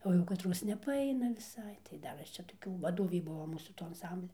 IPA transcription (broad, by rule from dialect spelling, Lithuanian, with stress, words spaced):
ˈoː jɛʊ kɐˈtroːs nʲɛpɐˈɐɪnɐ ʋʲɪˈsɐɪ tɐɪ ˈdɐr ˈɐʃ t͡ʃʲɛ toːˈkʲuː ʋɐˈdoːʋʲiː ˈbʊʋoː ˈmuːsuː ˈtoː ɐnˈsɐmʲbʲlʲɛ